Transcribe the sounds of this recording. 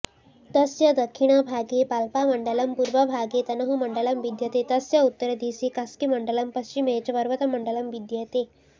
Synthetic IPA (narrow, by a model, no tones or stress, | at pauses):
t̪əsjəd̪əkʰːiɽ̃abʱaɡepalpaməɳɖələmpuɾʋəbʱaɡet̪ɐnəɦuməɳɖələmʋid̪jət̪et̪əsjəut̪ːəɾəd̪isikaskiməɳɖələmpəst͡ɕimet͡ɕʋəɾʋət̪əməɳɖələmʋid̪jət̪e